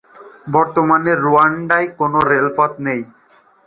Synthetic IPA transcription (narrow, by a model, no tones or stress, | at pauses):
bɔɾt̪omaneɾːuaɳɖajkonoɾelpat̪nej